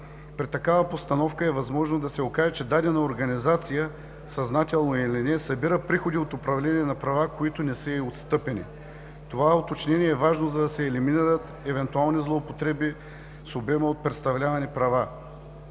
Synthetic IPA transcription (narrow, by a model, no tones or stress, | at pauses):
pɾit̪ɐkavɐpost̪ɐnɔfkəɛvɐzmɔʒnod̪ɐsɛokaʒɛt͡ʃɛd̪ad̪ɛnɐoɾɡɐnizat̪sijə | sɐznat̪ɛlˠnoilinɛsɐbiɾəpɾixod̪iot̪opɾɐvlɛnʲiɛnɐpɾɐvakoit̪ʊnɛsəiot̪st̪ɤpɛnḭ | t̪ovaot̪ot͡ʃnʲɛniɛɛvaʒnozɐd̪ɐsɛːliminiɾət̪ | ɛvɛnt̪ualˠnizlˠoːpot̪ɾɛbi | sobɛməot̪̚pɾɛt̪st̪ɐvlʲavɐnipɾɐva